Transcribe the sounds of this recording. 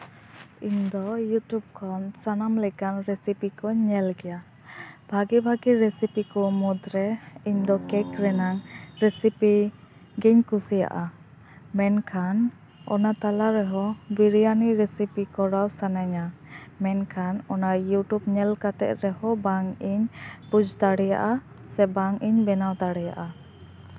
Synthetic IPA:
iɲd̪ɔjutjub̚kʰɔnsanamlɛkanɾɛsipikɔɲɛlɡɛja | bʱaɡɛbʱaɡiɾɛsipikɔmud̪ɾɛiɲd̪ɔkɛkɾɛnaŋɾɛsipi | ɡiɲkusija̰ʔa | mɛnkʰan | ɔ̰nat̪alaɾɛɦɔbiɾijaniɾɛsipikɔɽawsanaɲamɛnkʰanɔnajuʈubɲɛlkat̪ɛ̰t̪̚ɾɛhɔbaŋiɲpud͡ʒt̪aɽɛja̰ʔa | sɛbaŋiɲbɛnawt̪aɽɛja̰ʔa

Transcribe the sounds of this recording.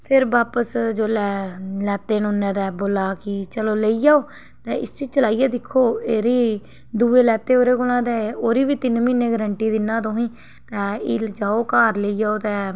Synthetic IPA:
pʰɪɾbaːpəsd͡ʒoːlɛːlɛːt̪eːnũnːɛ̃ːd̪ɛːboːlaːkɪt͡ʃəloːleiːd͡ʒaːoː | t̪ɛ̃ːɪst͡ʃit͡ʃəlaːijɛːd̪ɪkʰːoːeːɾiː | d̪uːeːlɛːt̪eːoːɾeːkʊlãːd̪ɛːoːɾiːʋiːt̪ɪnmiːneːɡəɾəɳʈiːd̪ɪnːãːt̪õːɦĩː | t̪ɛ̃ːid͡ʒaːoːkaːɾləiːd͡ʒaːoːt̪ɛ̃ː

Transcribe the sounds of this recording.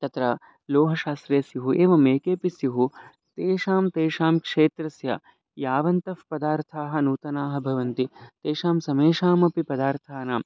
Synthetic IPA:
t̪ɐt̪ɾɐ | loːɦɐʃaːst̪ɾeːsjɐɦuʔeːʋɐmeːkeːpisjɐɦu | t̪eːʂaːmt̪eːʂaːmkʂeːt̪ɾɐsjɐ̰ | jaːʋɐnt̪ɐfpɐd̪aːɾt̪ʰaːɦɐ̆nuːt̪ɐnaːɦɐbʱɐʋɐnt̪it̪eːʂaːmsɐmeːʂaːmɐpipɐd̪aːɾt̪ʰaːnaːm

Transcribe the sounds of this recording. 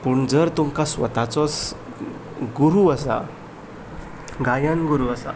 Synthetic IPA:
puɳd͡zəɾt̪umkasʋə̰t̪at͡sɔs | ɡuɾuəsa̰ | ɡajənɡuɾuəsa̰

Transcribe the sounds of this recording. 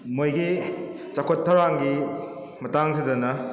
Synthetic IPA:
mojɡi | t͡ʃakʰotʰːɐwɾaŋɡi | mɐtaŋs̬idɐnɐ

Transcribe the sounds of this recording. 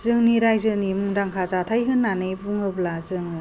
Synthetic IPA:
zɯŋniɾajzɯnimuŋdaŋkʰazatʰajɦɯnːanɯjbuŋɯblazɯŋ

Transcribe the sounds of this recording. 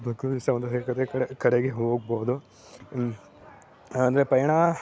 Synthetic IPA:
b̪ɐksɐmɐnd̪ɐɦekɐd̪ekɐɽekɐɽeɡeɦoːɡ̚boːd̪u | ɐnd̪ɐɾepɐjɐɳa

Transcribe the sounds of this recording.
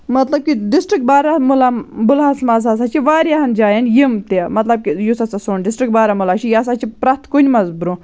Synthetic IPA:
mɐt̪lɐb̚kiɖisʈɾik̚baːɾamulabulɦasmɐzas̬at͡ʃʰiʋaːɾijaɦɐnd͡ʒaːjɐnjimt̪emɐt̪lɐb̚kijusɐsasoːnɖɪsʈɾik̚baːɾamulaːt͡ʃʰijas̬at͡ʃʰipɾat̪konʲmɐzbɾũː

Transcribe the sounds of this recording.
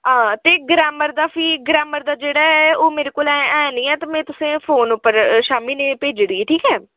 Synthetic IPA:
ɦãːt̪eːɡɾaːməɾd̪aːpʰiːɡɾaːməɾd̪aːd͡ʒeːɽaːɛːoːmeːɾeːkoːlɛ̃ɛ̃ːnĩːɛːt̪aːmɛ̃ːt̪ʊsẽːpʰoːnʊpːəɾʃaːmiːneːpeːd͡ʒɽiːʈʰiːkɛː

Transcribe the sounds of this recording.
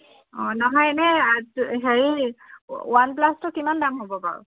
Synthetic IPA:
ɔnɔɦɔjɛnɛtɦeɹi | wanplastʊkimandamɦobɔpa̰ɹʊ̰

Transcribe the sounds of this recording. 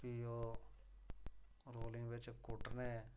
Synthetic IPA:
io | ɾoːlɪ̃ŋɡʋet͡ʃkʊʈəne

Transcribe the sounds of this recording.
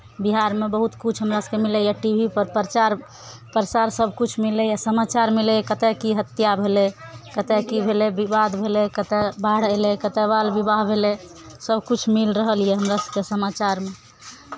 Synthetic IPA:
biɦaɾmebəɦut̪kut͡ʃʰɦəmɾasəkemilɛjaʈibʱipəɾpəɾət͡ʃaɾ | pəɾəsaɾsəbʱkut͡ʃʰmilɛjasəmat͡ʃaɾmilekət̪ɛkiɦət̪jabʱelekət̪ɛkibʱelebibad̪bʱelekət̪ɛbaɽ̤elekət̪ɛbalbibaɦbʱele | səbʱkut͡ʃʰmilɾəɦəlijeɦəmɾasə̥kesəmat͡ʃaɾme

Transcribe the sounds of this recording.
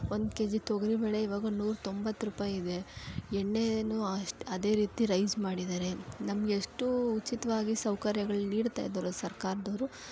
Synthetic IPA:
ond̪ke̞ːd͡ʒit̪oɡɐɾibɛːɭe̞iʋaːɡɐnuːɾt̪o̞mbɐt̪ːɾuːpaːjid̪e̞eɳːe̞nuʂʈɐd̪e̞ːɾiːt̪iɾɐjd͡ʒmaːɽid̪aːɾe̞nɐmɐɡeʂʈuːt͡ʃit̪ɐʋaːɡisɐwkɐɾjɐɡɐɭniːɽt̪a̰ːjd̪ɐɾusɐɾkaːɾɐd̪ɐʋɾu

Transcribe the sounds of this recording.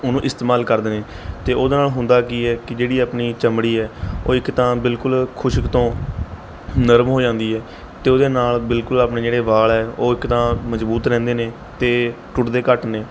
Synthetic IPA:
ʊnũːʔɪst̪eːmaːlkəɾd̪eːneː | t̪eːoːd̪eːnaːlɦʊnd̪aːkiɛːkɪd͡ʒeːɽiːaːpɳiːt͡ʃəmɽiːɛːo̰ːɪkt̪ãːbɪlkʊlkʰʊʃɪkt̪õː | nəɾmɦoːd͡ʒãːnd̪iːɛː | t̪eːoːd̪eːnaːlbɪlkʊlaːpneːd͡ʒeːɽeːʋaːɭɛːoːɪkt̪ãːməzbuːt̪ɾɛ̃ːnd̪eːneː | t̪eːʈʊʈd̪eːkəʈneː

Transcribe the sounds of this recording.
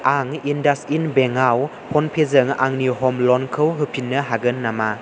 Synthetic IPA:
aŋindasinbeŋaw | pʰɔnpʰezɯŋa̰ŋniɦɔmlɔnkʰɯwɦɯpʰinːəɦaɡɯnːama

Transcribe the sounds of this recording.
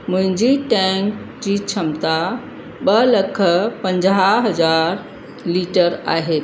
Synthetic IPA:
mʊ̃ɦɪ̃ɲd͡ʑiʈɛ̃ŋk | d͡ʑit͡ɕʰəmt̪a | ɓələkʰəpə̃ɲd͡ʑaɦəzaːɾ | liːʈəɾa̰ːɦe

